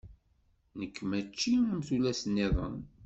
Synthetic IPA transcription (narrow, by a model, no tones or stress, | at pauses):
nəkːmæt͡ʃːiəmθulæsənːiðˤə̰n